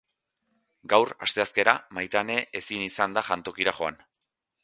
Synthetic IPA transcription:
ɡawra̰st̪e̞aske̞ɾamajt̪ane̞ʔesinisand̪aʝant̪o̞kiɾaxo̞an

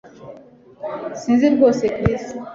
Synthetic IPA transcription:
sĩziɾbosekɾis

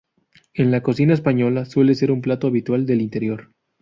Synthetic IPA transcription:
e̞nlako̞sinaespaɲo̞laswe̞le̞se̞ɾumplat̪oaβit̪wald̪e̞lint̪e̞ɾjo̞ɾ

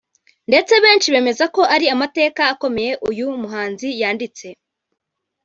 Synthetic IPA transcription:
nde̞t͡se̞βe̞ːnʃiβe̞ːme̞zako̞ʔaɾiamate̞ːkaːko̞me̞je̞ʔujumuɦaːnzijaːndit͡se̞

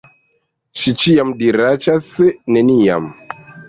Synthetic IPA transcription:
t͡ʃit͡ʃijamdiɾat͡ʃasenɛnija̰m

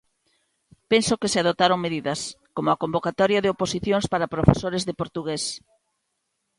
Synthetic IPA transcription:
pensokɪseaðot̪aɾoŋmeðiðɐskomʊakombokat̪ɔɾjɐðɪoposiθjõŋspaɾapɾofesoɾezðepoɾt̪uɣes

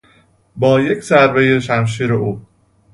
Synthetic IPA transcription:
bɒːjecsæɾvejeʃæmʃ̬iːɾeʔuː

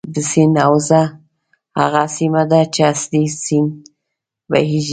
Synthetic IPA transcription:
d̪əsinawza | ha̰ɣasimad̪at͡ʃeasd̪isin | ba̰ɦiʒ

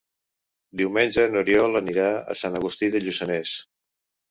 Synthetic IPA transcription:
d̪iwmenʲd͡ʒənuɾiɔləniɾaə̰sanəɣust̪iðəʎusənes

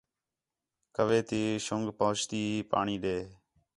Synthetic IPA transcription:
kəʋeːt̪iːʃʊŋɡpoːt͡ʃt̪iːpa̰ːɳiːɗeː

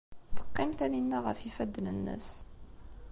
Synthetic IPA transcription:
θə̥qːɪmθæninːæʁə̰fifæd̪ːnənːə̰s

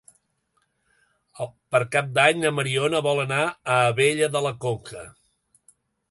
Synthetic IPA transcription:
pəɾkap̚d̪aɲəməɾionəβɔlˠənaəːβeʎəðələkokə̰

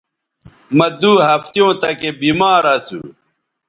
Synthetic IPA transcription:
mɐd̪uɦɐft̪ijõːt̪ɐkebiːmaːɾɐt͡sṵ

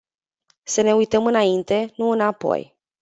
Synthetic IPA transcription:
səne̞ujt̪əmɨnaint̪e̞nuɨnapo̰j

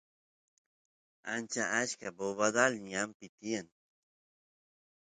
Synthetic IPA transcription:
a̰nt͡ʃaʔaʃkaboβad̪alɲampit̪ian

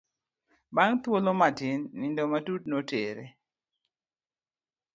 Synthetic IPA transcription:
baŋt̪wolomadɪnːɪndɔmadud̚noteɾḛ

